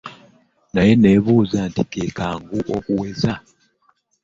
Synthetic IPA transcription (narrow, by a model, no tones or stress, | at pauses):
naje̞ne̞βuːzantikeːkaːŋɡuʔokuweza